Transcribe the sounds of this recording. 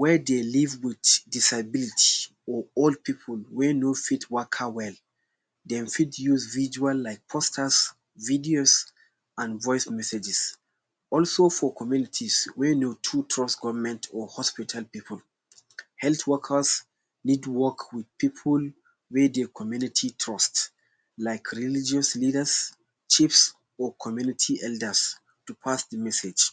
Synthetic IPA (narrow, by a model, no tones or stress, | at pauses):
wɛdelivwiddisabilitʰi̥ | ɔold̚pipʰəlwenofitʰwəkʰhawɛl | dɛ̃mfitjuzvid͡ʒualːaɪk̚pʰɔstʰəs | vidios | ãnvɔjsmɛsɛd͡ʒɛs | ɔlsofɔkʰɔmjunitʰiswenotʰutʰɹɔsɡɔvəmɛ̃ntʰɔhɔspitʰalpipʰəl | hɛlθwɔkʰəs | nidwɔkʰwid̚pipʰul | wed̪ekʰɔmjunitʰitʰɹɔst | laɪkʰɹilid͡ʒɔslidəs | t͡ʃifs | ɔkʰɔmjunitʰiʔɛldə˞s | tupʰasdəmɛsed͡ʒ